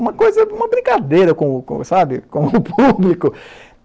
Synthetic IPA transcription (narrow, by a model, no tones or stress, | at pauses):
ũmɐkojzɐũmɐbɾĩŋkad̪ejɾɐkõʊkõ̰sabɪkõʊpublikʊ